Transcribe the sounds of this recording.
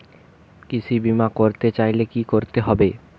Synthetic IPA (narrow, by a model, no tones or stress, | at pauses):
kit͡ɕʰibimakoɾt̪et͡ɕajlekikoɾt̪eɦɔbe